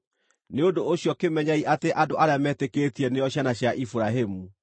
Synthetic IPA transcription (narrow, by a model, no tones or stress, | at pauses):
neodooɕjɔkemɛɲaiʔateʔadoʔaɾeamɛːtekeːtiɛnejɔɕjanaɕjaʔifuɾaɦemu